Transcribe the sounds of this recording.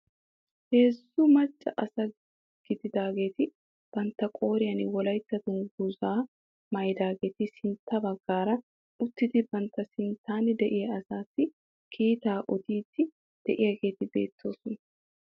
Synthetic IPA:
he̞ːsːʊmɐt͡ʃʼːɐʔɐsɐ | ɡ̥ɪd̪ɪd̪aːɡe̞ːt̪ɪ | b̥ɐnt̪ːɐkʼo̞ːɾɪjɐnɪwɔlɐjt̪ːɐt̪ʊnɡʊzaː | mɐjd̪aːɡe̞ːt̪ɪsɪnt̪ːɐbɐɡ̥ːaːɾɐ | ʊt̪ːɪd̪ɪbɐnt̪ːɐsɪnt̪aːnɪd̪ɛʔɪjɐɐsaːsːɪ | kʰiːt̪aːʔɔd̪iːt̪ːɪ | d̪̥ɛʔɪjɐɡe̞ːt̪ɪbe̞̰ːt̪ːo̞ːsɔnɐ

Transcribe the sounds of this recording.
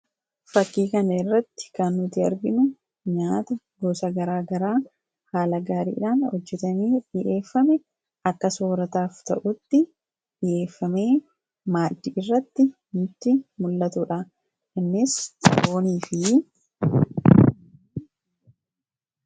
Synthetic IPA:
fɐkːiːkɐnɐɪrːɐt̪ːɪ̥kɐnːʊt̪ɪɐ̰ɾɡɪnʊ | ɲaːt̪ɐ | ɡoːsɐɡɐɾaːɡɐɾaː | haːlɐɡaːɾḭːᶑaːnhɔd͡ʒːɛt̪ɐmeːᶑɪʔe̞ːfːɐmɛ | ɐkːɐsoːɾɐt̪aːft̪ɐ̰ʔʊt̪ːɪ | ᶑɪʔe̞ːfːɐme̞ː | maːd̪ːɪɪrːɐt̪ːɪ | nʊt̪ːɪmʊlːɐt̪ʊᶑa | kɐnːɪsoːniːfɪ

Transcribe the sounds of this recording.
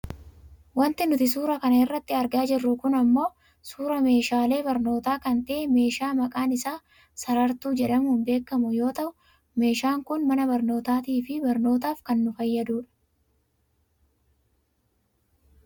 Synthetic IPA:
wɐnt̪ɪnʊt̪ɪs̬uːɾɐkɐnɐɪrːɐt̪ːɪɐɾɡaːd͡ʒɪrːʊkʊnɐmːo̞ː | suːɾɐme̞ːʃaːle̞ːbɐɾno̞ːt̪aːkɐnt̪ɐʔɛme̞ːʃaːmɐkʼaːnɪsaː | sɐɾɐɾt̪uːd͡ʒɛᶑɐmuːnbe̞ːkːɐmʊjo̞ːt̪ɐʔʊ | me̞ːʃaːŋkʊnmɐnɐbɐɾno̞ːt̪aːt̪iːfɪbɐɾno̞ːt̪̬aːfkɐnːʊfɐjːɐd̪uːᶑɐ̥

